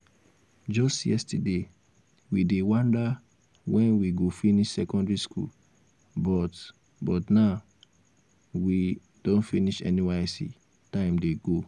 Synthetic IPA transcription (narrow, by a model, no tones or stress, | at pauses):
d͡ʒɔstjɛstade | widewãnda | wɛ̃nwiɡofiniʃsɛkɔ̃ndɹiskṵl | bɔt | bɔtna | wi | d̥õnfiniʃɛ̰niwɛsḭ | tãɪ̃mdeɡo